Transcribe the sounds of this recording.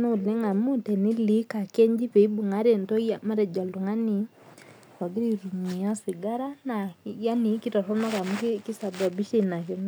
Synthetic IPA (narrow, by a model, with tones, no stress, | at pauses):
no˦˨le˦ŋa˨mu˦tɛ˨ni˦li˦ka˨kɛ˦ɲd͡ʒi˦pe˨i˦bu˨ŋa˦ɾe˨ntɔ˦ja˨ma˦ɾɛ˨d͡ʒa˨lu˨ŋa˦ni | sa˨ɡi˦ɾiɾu˨mi˨a˦si˨ɡa˦ɾa˦na˨ja˦ni˨ki˦ta˨sɔ˦na˦ka˨mukki˦sa˨ba˨bi˦ʃe˦na˨ken